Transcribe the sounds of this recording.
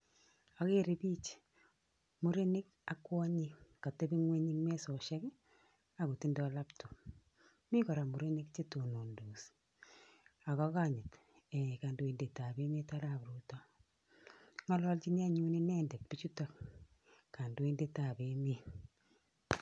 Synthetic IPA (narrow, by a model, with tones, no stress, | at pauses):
a˨ke˦ɾe˦bi˦t͡ʃ | mu˨ɾe˦ni˦k | a˨kːwɔ˦ɲi˦ka˨te˦bi˦ŋwe˦ɲi˦ŋme˦sɔ˨ʃa˦k | a˨ku˨ti˦ndɔ˨la˦pto˨ | mi˦kɔ˨ɾa˨mu˨ɾe˦ni˦kt͡ʃe˦to˨no˨ndu˨s | a˨kɔ˦ka˦˨ɲɪ˨t | ɛ˨ka˨ndo˨i˨nde˨ta˨be˦me˦ta˦ɾa˨βɾu˦tɔ˦ | ŋa˦lwɔ˦lt͡ʃi˦na˦ɲu˦ni˦nɛ˦ndɛ˨t̚pi˦t͡ʃu˦ta˨k | ka˨ndo˨˦i˦ndeta˨be˦mi˦